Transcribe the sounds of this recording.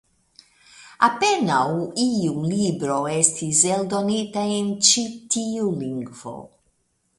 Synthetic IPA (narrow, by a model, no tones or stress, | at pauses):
apenawiulibɾo̞estʰiseld̪onitaent͡ʃit̪iuliŋɡvo̰